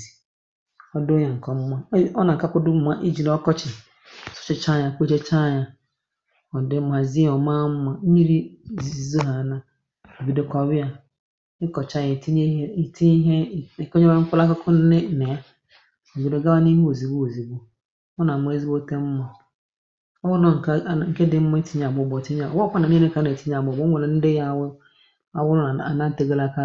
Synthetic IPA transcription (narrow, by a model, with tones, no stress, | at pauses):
i˨ | ɔ˦dʊ˦ɲa˨ŋ̩˨kɔ˨m̩˦ma˦ɔ˦na˨ŋ̩˨ka˦kʊ˦dʊ˦m̩˦ma˦ʔi˦d͡ʒi˨lɔ˦kɔ˦t͡ʃɪ˨˦ | sɔ̥˦t͡ʃɪ˦˨t͡ʃa˦˨ɲa˨k͡pe˦t͡ʃe˦t͡ʃa˦˨ɲa˦ | ɔ˨dɪ˦ma˨zi˦ɔ˨ma˦ma˨˦ɲi˦ɾi˦zzi˨zo˦ɦa˨na˦ | o˨bi˨de˦kɔ˨bɪ˦a˨ | ɪ˦kɔ˨t͡ʃa˦jɪ˨tʰi˦ɲe˦˨tʰi˦ɦɛ˦˨kɔ˦ɲɔ˦ŋ̩˦kʊ˦la˦ka˦kʰʊ˦n˦nɪ˦˨nɛ˨a˦˨ | e˨bi˨de˦ɡa˦ba˦nɪ̃˦ho˨zi˨bu˦o˨zi˨bʊ˦ | mɔ˦nã˨ma˨e˦zi˦bo˦tɛ˦m̩˦mɔ̃˨ | ɔ˦wʊ˦nʊ̃˦ŋ̩˨kŋ̩˨ke˦dɪ˦m̩˦mɔ̃˦i˦tʰi˦ɲ˦a˨bʊ˨bɔ˨ti˦ɲ˦a˨wɔ˦kɔ˦na˨nɪ̃˦nɪ˦ka˦ne˨tʰi˦ɲ˦a˨bɔ˨bʊ˦o˨nã˨n̩˦de˦ja˨wʊ˦ | a˨wʊ˦ɾʊ˦a˨a̰˨nã˦n̩˦te˦ɡa˦la˦ka˦